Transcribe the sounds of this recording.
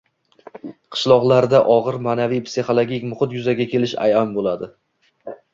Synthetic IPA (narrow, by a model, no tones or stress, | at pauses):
qʰɨ̥ʃlˠɒʁlˠaɾd̪aʔɒʁɨɾmaːnavijpsiχolˠoɡʲikʲmʊχɨt̪jʊzaɡʲakʲʰe̞lɪʃa̰jambolad̪ɪ